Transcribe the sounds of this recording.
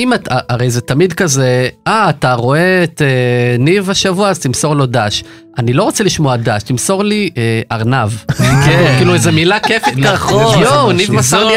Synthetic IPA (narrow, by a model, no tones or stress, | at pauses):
imataʔaʁe̞jzetamidkaze̞aːtaʁo̞e̞ːtenivaʃavuaazt̪imso̞ʁlo̞daʃ | anilo̞ʁot͡seliʃmoadaʃtimso̞ʁlieʔaʁnavkekkiːluezemilakefit̪aonivmasoʁi